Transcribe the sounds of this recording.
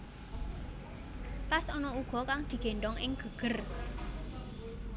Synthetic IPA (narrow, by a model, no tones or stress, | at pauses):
t̪asɔnɔuɡ̥ɔ̤kaŋd̪̥i̤ɡ̥e̤ɳdɔŋɪ̰ŋɡ̥ə̤ɡ̥ə̤r